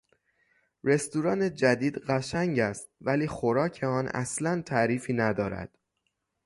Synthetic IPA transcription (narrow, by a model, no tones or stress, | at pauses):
ɾe̞st̪uɾɒːned͡ʒæd̪iːd̪ɢæʃæŋɟæst̪̚væliːxoɾɒːcʰe̞ɒːnæ̰slænt̪ʰæʔɾiːfiːnæd̪ɒːɾæ̰d̪̥